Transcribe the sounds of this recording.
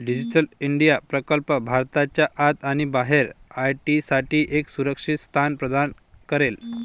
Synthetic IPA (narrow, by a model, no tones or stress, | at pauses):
ɖid͡ʑiʈəliɳɖijapɾəkəlpəbʱaɾt̪at͡ɕjaʔat̪aɽ̃ibaɦeɾajʈisaʈiːʔeksuɾəkʂit̪st̪ʰanpɾəd̪an | kəɾel